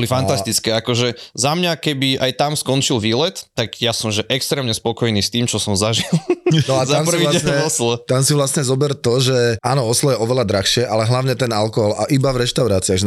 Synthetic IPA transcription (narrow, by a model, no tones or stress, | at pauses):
bɔlifant̪ast̪it͡skɛːakɔʒɛzamɲakɛbiajt̪amskɔnt͡ʃilʋiːlɛt̪ːaɡjasɔmʒɛʔɛkst̪ɾɛːmɲɛspɔkɔjniːst̪iːmt͡ʃɔsɔmzaʒilˠnɔatzaamps̩iɟɛɲɛɔslɔt̪amsiʋlasɲɛzɔbɛɾt̪ɔʒɛʔaːnɔɔslɔjɛɔʋɛlad̪ɾaxʃɪɛʔalɛɦlaʊɲɛt̪ɛnalkɔɦɔlaʔibavɾɛʃt̪aʊɾaːt͡siaɣ